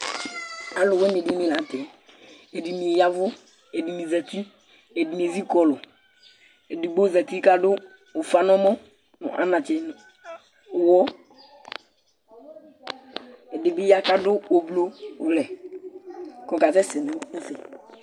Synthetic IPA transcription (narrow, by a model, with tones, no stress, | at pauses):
a˨lʊ˨wɛ˦me˨di˨˦mi˨la˨˦tɛ˨e˨dɪ˨mi˨ja˦vʊ˦ | e˨di˨mi˨za˨ti˦ | e˨di˨m˨e˨zi˦kɔ˨lʊ˨ | e˨dɪ˨ɡ͡bo˦za˨ti˦ka˦dʊː˦˨ | fa˦n˦ɔ˦mɔ˦ | n̰˨ʔa̰˦nã˨t͡ʃɛ˨n˨ | wɔ˦ | e˨dɪ˨bɪ˦ja˦ka˦dʊ˦o˨blo˦ʊ˨lɛ˨ | kɔ̃˨ka˨tɛ˦sɪ˨nɛ̃˨˦sɛ˨